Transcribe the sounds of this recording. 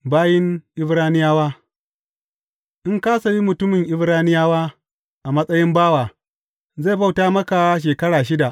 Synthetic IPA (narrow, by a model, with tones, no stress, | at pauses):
baː˦jɪ˦ŋʔɪ˦bɾaː˦nɪ˦jaː˦waː˦ | ʔɪ˦ŋkaː˦sa˨wi˦mʊ˨tʊ˦mɪ˨ŋʔɪ˦bɾaː˦nɪ˦jaː˦waː˦ | ʔa˨mɐ˦sʼɐ˦jɪ˦mbaː˦waː˨ | za˦˨ba˦wtaː˦mɐ˦ka˨˦ʃ̬eː˨kɐ˦ɽaː˨ʃɪ˦da˨ʔ